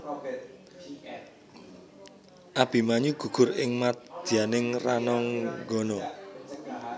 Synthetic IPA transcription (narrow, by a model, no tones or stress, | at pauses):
ʔab̥i̤maɲuɡ̥ṳɡ̥ʊ̤rɪŋmad̪d̪̥ianɪŋranɔŋɡɔnɔ